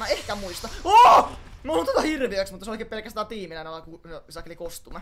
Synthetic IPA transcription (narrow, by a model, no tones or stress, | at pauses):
æehkæmuist̪ɑoːmolut̪ot̪ɑhirʋiæksmut̪ːɑseoikːˑeːpelkæst̪æːt̪iːmilænælɑkueisɑkelikost̪umɑ